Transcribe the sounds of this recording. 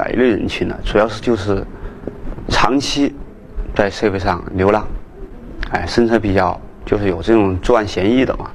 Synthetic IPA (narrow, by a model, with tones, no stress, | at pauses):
a̰˨˩ḭ˧˥lwe˥˩ɪɻə̰˧˥nt͡ɕʰy˧˥nd̪ə̰˧ʈ͡ʂu˨˩jɑ˥˧ʊʂɻ̩˥˧t͡ɕjo˥˧ʊʂɻ̩˥˩ | ʈ͡ʂʰɑ˧˥ŋt͡ɕʰi˥ | t͡sa˥˧ɪʂe˥˧ɪpe˥˧ɪʂɑ̰˥˩ŋljo˧˥ʊlɑ˧˥ŋ | a˥˩ɪʂə˥nʈ͡ʂʰɤ˧˥pi˨˩t͡ɕjɑ˥˩ʊt͡ɕjo˥˧ʊʂɻ̩˥˩jo˨˩ʊʈ͡ʂɤ˥˩ʈ͡ʂʊ˨˩ŋʈ͡ʂo˥˧a˥˩nɕjɛ˧˥ni˥˩d̪ə̰˨˩mɐ̰˩